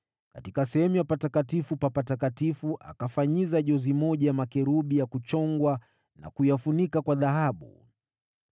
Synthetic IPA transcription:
katikasɛhɛmujapatakatifupapatakatifuʔa̰kafaɲizaʄɔzimɔʄajamakɛɾuɓijakut͡ʃɔŋɡwa | na̰kujafunikakwaðaɦaɓṵ

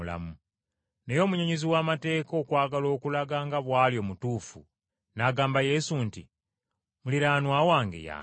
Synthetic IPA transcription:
la̰mu | ne̞jo̞ːmuɲeɲeziwaːmate̞ːko̞ːkwaːɡalo̞ːkulaɡaŋɡaβwaːljo̞ːmutuːfṵ | naɡaːmbaje̞sunti | muliɾaːnwaːwaːŋɡḛja̰

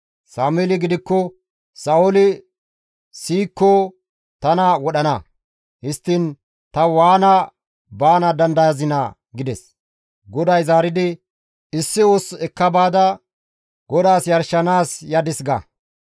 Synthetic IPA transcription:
saːmɛlɪɡɪd̪ɪkːɔ | sɐɔlɪ | siːkːɔ | t̪ɐnɐwɔɗɐnɐ | hɪst̪ːɪn | t̪ɐwaːnɐ | baːnɐd̪ɐnd̪ɐjɐzɪnɐ̰ | ɡɪd̪ɛs | ɡɔd̪ɐjzaːɾɪd̪ɪ | ɪsːɪwoːsɛkːɐbaːd̪ɐ | ɡɔd̪aːsjɐɾʃɐnaːsjɐd̪ɪsɡɐ̰

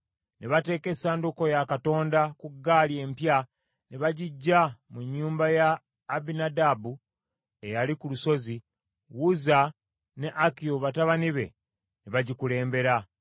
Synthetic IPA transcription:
neβate̞ːke̞saːnduko̞jakato̞ːndakuɡːaːlie̞ːmpja | neβaɟiɟːamuɲːuːmbajaː | binadabu | e̞jalikuluso̞zi | wuza | ne̞ʔakijoβataβaniβe̞̰ | neβaɟikule̞ːmbe̞ɾa

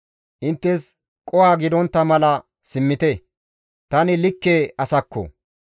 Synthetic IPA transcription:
ʔɪnt̪ːɛs | kʼɔhaːɡɪd̪ɔnt̪ːɐmɐlɐ | sɪmːɪt̪ɛ | t̪ɐnɪlɪkːeːɐsɐkːɔ̰

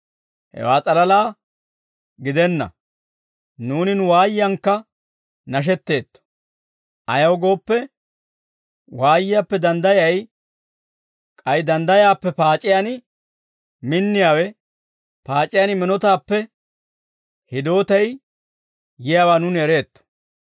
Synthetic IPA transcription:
hɛ̰waːt͡sʼɐlɐlaː | ɡɪd̪ɛnːɐ̰ | nuːnɪnʊwaːjɪjɐŋkːɐ | nɐʃ̬ɛt̪ːe̞ːt̪ːɔ̥ | ʔɐ̰jɐwɡo̞ːpːɛ | waːjɪjapːɛd̪ɐnd̪ɐjɐj | kʼɐjd̪ɐnd̪ɐjaːpːɛpaːt͡ʃʼːɪjanɪ | mɪnːɪjaːwɛ | paːt͡ʃʼːɪjɐːnɪmɪnɔt̪aːpːɛ | hɪd̪o̞ːt̪ɐj | jɪjaːwaːnʊnɛɾe̞ːt̪ːɔ̥

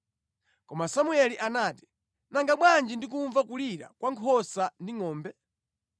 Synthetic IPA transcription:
kɔmasamuɛliʔanaːti̥ | naŋɡaɓwand͡ʒindik̬uɱvakuliɾa̰kwaŋkʰɔsandiŋɔːmbɛ

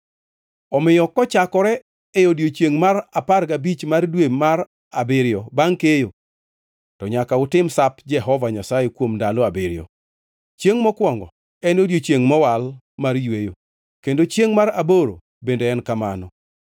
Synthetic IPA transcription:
ɔmɪjɔkɔt͡ʃakɔɾɛ | ɛjodjot͡ʃeŋmaɾaparɡabit͡ʃmardwemaɾ | abɪɾjɔbaŋkejo | tɔɲakaʊtɪmsapd͡ʒɛɦɔvaɲasajekwomdalɔabɪɾɪjɔ̰ | t͡ʃjeŋmɔkwɔŋɡɔ̰ | ɛnodjot͡ʃjeŋmɔwal | marjwejo | kendot͡ʃjeŋmaɾaboɾo̰ | bendeɛnkamanɔ

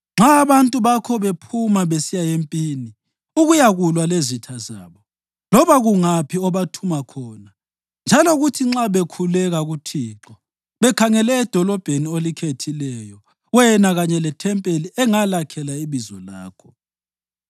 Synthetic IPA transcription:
ŋ͡ǁʱaːβantʼuβakʰɔβepʰumaβesijajempʼiːni | uɣujaɣulwalezitʰaza̰ːβɔ | lɔβaɣuŋapʰiɔβatʰumakʰɔːna | nd͡ʒʱalɔɣutʰiŋ͡ǁaβekʰulɛɣaɣutʰiːǁɔ | βɛkʰaŋɛlɛːd̥ʱɔlɔb̥ʱeniolikʰetʰilɛjɔ | wɛnaɣaɲɛlɛtʰɛmpʼeliʔɛŋalakʰɛlaiβizɔ̰la̰ːkʰɔ̥

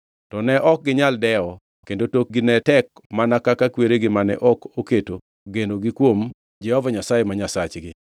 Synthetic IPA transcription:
tɔnɛʔɔk̚ɡɪɲaldɛɔ | kendotok̚ɡɪnɛtɛk̚manakakakweɾeɡɪmanɛ̰ʔɔkoketo | ɡendoɡɪkwom | d͡ʒɛhɔvaɲasajemaɲasat͡ʃɡɪ

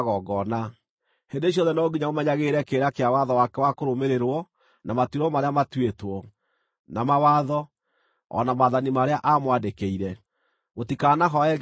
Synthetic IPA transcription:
ɣɔɡɔna | hendeːɕ̬jɔðɛnɔoɡiɲaomɛɲaɣeːɾɛkeːɾakeawaðɔwakɛwakoɾomeɾeɾwɔ | namatiɾɔmaɾeamatwetwɔ | namawaðɔ | ɔ̰namaðanimaɾeaʔamwandekeiɾɛ | ɣotikanaɦɔɛ

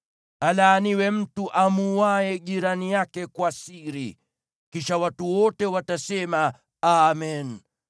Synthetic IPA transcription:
alaːniwɛm̩tuʔamuwaɛʄiɾanijakɛkwasiɾi | kiʃawatuwɔtɛwatasɛma | amɛn

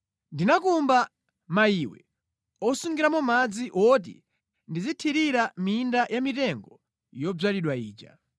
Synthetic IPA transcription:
ndinakumba | maiwɛ̰ | ɔsuŋɡiɾamɔmad͡ziʔɔt̬ḭ | ndizitʰiɾiɾamindajʔamitɛŋɡɔ | jɔb͡ʐaliɗwaiːt͡ʃa̰

